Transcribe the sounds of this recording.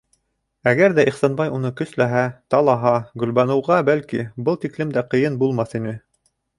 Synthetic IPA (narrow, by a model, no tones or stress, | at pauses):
æɡæɾðæʔiχsɑnbɑjunɤkɵ̆slæɦæt̪ɑlˠɑɦɑɡɵ̆lβænɤ̆wʁɑbælkibɤlˠt̪iklɘmd̪æqɤ̆jɤnbulˠmɑθinɘ